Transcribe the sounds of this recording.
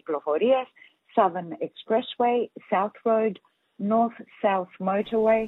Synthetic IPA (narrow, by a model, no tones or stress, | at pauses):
klɔfɔɾiəz̥ | sʌðənɛkspɹɛsweɪsaʊθɹəʊd | nɔˑθsaʊθməʊtəweɪ